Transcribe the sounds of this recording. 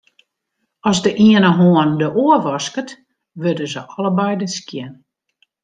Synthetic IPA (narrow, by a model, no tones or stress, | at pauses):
ɔzdəʔiənəɦoəndəʔoəʋɔskət | ʋødəzəʔɔləbɛjdəskjɛn